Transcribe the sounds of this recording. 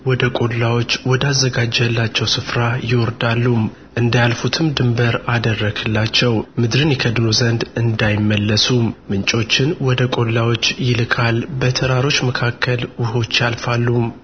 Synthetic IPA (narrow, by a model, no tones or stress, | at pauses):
wɔd̪əkʼo̞lːawo̞t͡ʃːwɔd̪azːəɡad͡ʒɛlːat͡ʃːɛwsɨfɾajɪwɔɾd̪alːum | ʔɨnd̪ajalfut̪ʰɨmd̪ɨmbəɾad̪ərːəɡɨlːat͡ʃːɛwmɨd̪ɾɨnjɛkʰəd̪nozənd̪ɨnd̪ajɪmːəlːəsummɨnt͡ʃʼo̞t͡ʃːɪnwɔd̪əkʼo̞lːawo̞t͡ʃːjɪlɨkʰʼalbət̪ʰəɾaɾo̞t͡ʃːməkʰakːəlwʊɦo̞t͡ʃːjalfalːum